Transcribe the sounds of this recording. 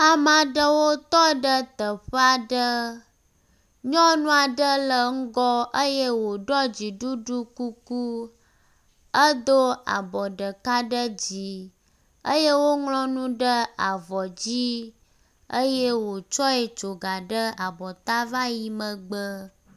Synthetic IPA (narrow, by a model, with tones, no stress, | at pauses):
a˨mã˨ɖə˦wo˦t̪ɔ˦ɖə˦t̪ə˨ɸə˦a˨ɖə˦ | ɲɔ̃˦nũ˦a˨ɖə˦lə˨ŋ̩˦ɡɔ˦ʔə˦je˦wo˨ɖɔ˦d͡ʑi˨ɖu˦ɖu˦ku˦ku˦ | ə˦d̪o˦a̰˨bɔ˨ɖə˨ka˦ɖə˦d͡ʑi˨ | ə˦je˦wo˦ŋlɔ̃˦nũ˦ɖə˦a˨vɔ˨d͡ʑi˦ | ə˦je˦wo˨t͡ʃɔ˦e˨t͡ʃo˨ɡa˨ɖə˦a˨bɔ˨t̪a˦va˦ji˨mə̃˨ɡ͡bə˦